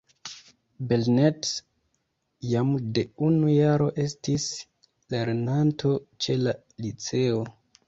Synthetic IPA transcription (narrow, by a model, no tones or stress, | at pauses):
belnet | jamde̞unujaɾo̞ʔe̞stis | le̞ɾnantʰo̞t͡ʃe̞la | lit͡se̞o